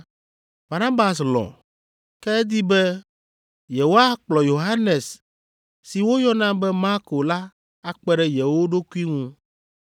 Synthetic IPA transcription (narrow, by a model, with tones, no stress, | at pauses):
ba˨nã˦ba˨slɔ̰̃˨ | kɛ˦d̪i˦bɛ˦ | jɛ˨wo˦a˦k͡plɔ˨jo˨ɦa˦nɛ̃˨s | sːi˨wo˦jɔ˦nã˦bɛ˦ma˦ɾko˨la˦ | a˦k͡pɛ˦ɖɛ˦jɛ˨wo˦ɖo˦ku˦i˦ŋũ˦